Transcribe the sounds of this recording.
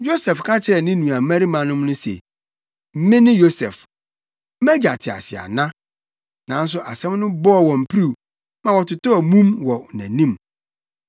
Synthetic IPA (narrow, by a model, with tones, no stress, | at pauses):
jo˦sɛ˨fkʰa˦t͡ɕʰɪ˨˦ɾɛ˨nɪ̃˦nũ˨a˨˦mæ̃˦ɾi˦mã˨nʊ̃˦mnʊ̃˦sḛ˨ | m̩˦mɪ̃˦nɪ̃˦jo˦sɛ̰˨f | mɛ˦d͡ʑa˨tʰɪ˨a̰˨sɪ̰˨a̰˨nã˦ | nã˨˦n˦s̬ʊ˨ʔa̰˨sɛ̃˦mnʊ̃˦bɔ˦˨wɔ̃˨m̩˨pʰɾi˨w | mã˨wɔ˨tʰʊ˨tʊ˦ɔ˨mũ˦mwɔ˨næ̰̃˨nĩ˦˨m